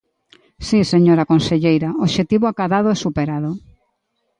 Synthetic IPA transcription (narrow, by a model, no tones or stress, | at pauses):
siseɲoɾakonseʎejɾaoʃet̪iβoakaðaðoʊɛsupeɾaðo